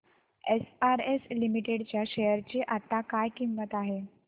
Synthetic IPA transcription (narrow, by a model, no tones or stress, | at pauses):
esaɾeslimiʈeɽt͡ɕjaɕejəɾt͡ɕiːʔat̪akajkimːət̪aɦe